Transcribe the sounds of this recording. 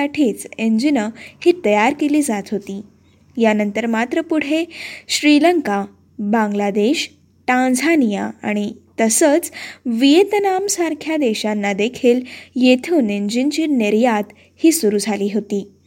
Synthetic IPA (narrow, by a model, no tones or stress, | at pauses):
aʈʰiːt͡seɲd͡ʑinəhiːt̪əjaɾkeliːd͡zat̪ɦot̪iː | janənt̪əɾmat̪ɾəpuɽ̤eɕɾiləŋka | bãŋɡlad̪eɕ | ʈãnd͡zʱanijaaɽ̃it̪əsət͡sʋijet̪ənamsaɾkʰjad̪eɕanːad̪ekʰiːljet̪ʰuːneɲd͡ʑint͡ɕiːniɾjat̪ | hiːsuɾuːd͡zʱaliːɦot̪iː